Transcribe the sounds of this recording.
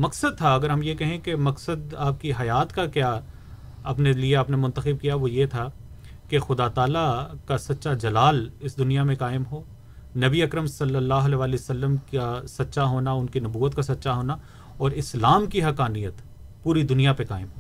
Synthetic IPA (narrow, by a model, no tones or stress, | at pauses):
mɐksəd̪̚t̪ʰaɐɡəɾɦɐmjekɛɦẽkemɐksəd̪aːp̚kiɦɐjaːt̪kakjaː | ɐpnelieaːpnemʊ̃nt̪əxɪb̚kijaʋojet̪ʰa | kexʊd̪at̪aːlakasɐt̪ːʃad͡ʒɐlaːlɪsd̪ʊnijamẽkaːɪmɦoː | nɐbiɐkɾəmsɐlːəlːaːɦʊɐlɛːʋaːliosɐlːəmkasɐt̪ːʃaɦoːnaʊnkinɐbuːət̪kasɐt̪ːʃaɦoːna | ɔːɾɪslaːmkiɦɐkaːnijət̪ | puːɾid̪ʊnijapekaːɪmɦoː